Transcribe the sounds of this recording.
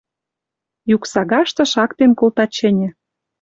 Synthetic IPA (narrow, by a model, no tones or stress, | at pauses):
juksɑɣɑʃt̪ɤ̆ʃɑkt̪enkolt̪ɑt͡ɕɘ̆nʲɘ̆